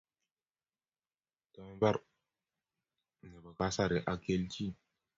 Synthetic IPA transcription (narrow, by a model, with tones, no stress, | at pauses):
ta˨˦ba˦ɾ | nə˨ba˨ka˦sa˦˨ɾi˨ʔa˦ke˦lt͡ʃi˦˨